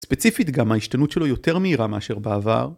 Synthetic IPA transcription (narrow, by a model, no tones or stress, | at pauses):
spet͡sifit̪ɡamaiʃtanutʃe̞lo̞jo̞te̞ʁmeiʁameaʃe̞ʁbeava̰ʁ